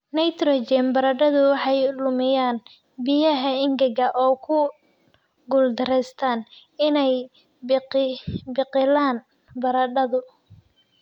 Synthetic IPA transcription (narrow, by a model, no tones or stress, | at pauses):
nɐjt̪rɔt͡ʃɛmbɐɾɐɖɐðʊwɑħɑjlʊmɪjaːn | bɪjɐɦɐɪŋɡɐɣɐʔɔːkʰʊ | ɡʊld̪ɐrɛjst̪ʰaːn | ɪnɛj | bɪqɪlaːn | bɐɾɐɖɐðʊ